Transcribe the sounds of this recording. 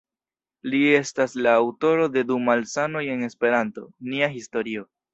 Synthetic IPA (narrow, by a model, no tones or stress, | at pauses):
lie̞staslaːwto̞ɾo̞de̞dumalsano̞je̞ŋe̞spe̞ɾanto̞niaɦisto̞ɾio̞